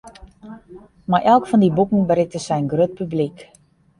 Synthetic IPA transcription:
maɹʔɛlˠkfɔndibukŋ̩bəɾɪk̚təsɛjnɡrøt̚pyblik

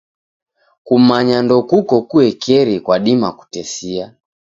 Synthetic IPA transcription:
kum̩maɲandɔkukɔkuɛkɛɾikwaɗimaku̥tɛsia

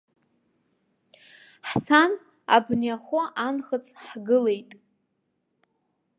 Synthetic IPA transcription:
ħt͡sʰan | a̰bnjaχʷʊʔanχət͡sʰʼħɡɨle̞jtʼ

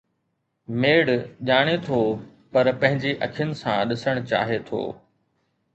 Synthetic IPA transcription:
meːɽʄaːɽ̃et̪ʰo | pɐɾpɐ̃ɦɪ̃ɲd͡ʑeʔɐkʰjənɪ̆sã̰ɗɪsəɽ̃ʊt͡ɕa̰ːɦet̪ʰo̰ː

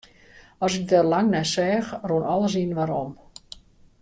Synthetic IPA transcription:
ɔsɪk̚dɛrlaŋnɛsɛːxrunɔlˠəs̬inʋaɾom

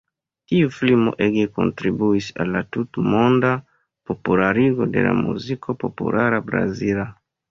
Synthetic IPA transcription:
tiuflimo̰ʔeɡeko̰ntɾibuisa̰lːatutmonda | populaɾiɡodḛla̰mṵzikʰopopṵlaɾabɾa̰zila

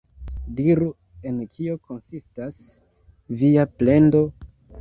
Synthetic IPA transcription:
diɾu | e̞nkʰio̞kʰo̞nsistas | viaple̞ndo̞

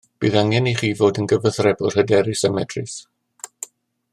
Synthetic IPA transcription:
b̥iːðaŋɛniχiːvoːdənɡəvəθrɛbʊr̥hədɛɾɪsəmɛdrɪs

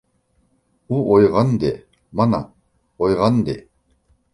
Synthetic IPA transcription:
uojʁand̪e | mana | ojʁand̪e

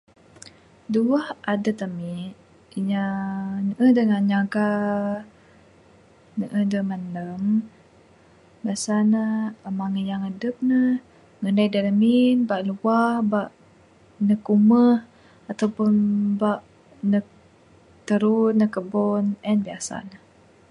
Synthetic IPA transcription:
duəhadət̪əmiʔ | iɲanəʔəhdəŋaɲaɡa | nəʔəhdəmənəm | biasanəəmaŋəjaŋədəp̚nə | ŋənajdaləminbaʔluahbaʔ | nəkuməh | at̪awpʊnbaʔ | nək | t̪əɾunəkəbɔnɛnbiasa̰nəh

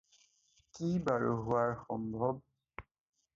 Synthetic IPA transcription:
kibaɹuɦʊwaɹxɔmbʱɔb̚

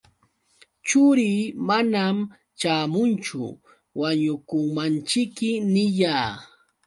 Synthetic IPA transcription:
t͡ʃʊɾiːmanam | t͡ʃaːmʊnt͡ʃʊ̰ | waɲʊkʊŋmant͡ʃɪkːɪnɪʎaː

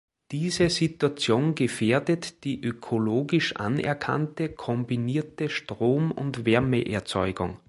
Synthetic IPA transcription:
d̥iːzəzituat͡sjoːnɡəfeːɐdətd̥iːʔøkʰoloːɡɪʃʔa̰nɛ̰ɐkʰa̰ntəkʰɔmbiniːɐtəʃtʁ̥oːmʊ̰ntvɛɐməʔɛ̰ɐt͡sɔʏɡʊ̰ŋ

